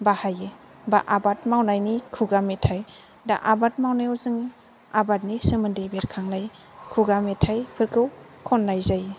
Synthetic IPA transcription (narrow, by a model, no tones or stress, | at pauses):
bahaje | baʔabatmawnajnikʰuɡametʰaj | da̰ʔabat̚mawnajɔzɯŋ | abat̚nisɯmɯndebeɾkʰaŋnaj | kʰuɡametʰajpʰɯɾkʰɯw | kʰɔnːajzaj